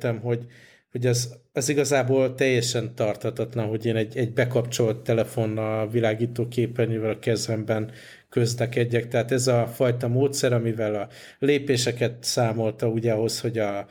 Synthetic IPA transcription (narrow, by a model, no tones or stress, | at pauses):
t̪ɛmɦo̞ɟ | ho̞ɟɛzɛziɡɒzaːboːlt̪ɛjːɛʃɛnt̪ɒrt̪hɒt̪ɒt̪lɒnɦo̞ɟeːnɛɟɛɟ̚bɛkɒpt͡ʃo̞lt̪ːɛlɛfo̞nːɒlvilaːɡiːt̪oːkeːpɛnivɛlɒkɛzvɛmbɛn | kø̞zlɛkɛɟːɛk̚t̪ɛɦaːt̪ɛzɒfɒjt̪ɒmoːt̪sɛɾɒmivɛlɒ | leːpeːʃɛkɛt̪saːmo̞lt̪ɒuɟɛɒɦo̞sho̞ɟɒ